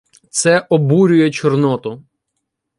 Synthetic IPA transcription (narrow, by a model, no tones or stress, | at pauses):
t̪sɛʔɔbuɾʲʊjɛt͡ʃɔrnɔt̪ʊ